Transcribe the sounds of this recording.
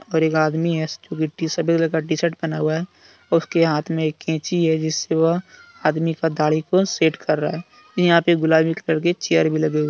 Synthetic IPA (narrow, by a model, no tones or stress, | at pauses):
ɔːɾeːkaːd̪miɦɛd͡ʒõːkiʈisəbʱit̪ləkaɖisəʈ̚bənaːuaɦɛ | ɔʊskeɦaːt̪ʰmẽeːkːẽːt͡ʃiɦɛd͡ʒɪsːewəɦ | aːd̪mikad̪aːɭikoseːʈkəɾːaaɦɛː | jɦãpeɡʊlaːbʱikləɽket͡ʃejəɾbʱiləɡeːɡa